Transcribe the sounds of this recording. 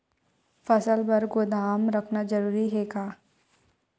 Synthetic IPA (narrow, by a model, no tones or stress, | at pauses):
fɐsəlbɐɾɡʊd̪aːmɾɐkʰnad͡ʒɐɾuːɾiɦɛkaː